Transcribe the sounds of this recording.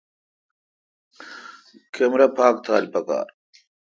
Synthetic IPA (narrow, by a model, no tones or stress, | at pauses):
kʰemɾɐpʰaːk̚t̪ʰaːlpɐka̰ːɾ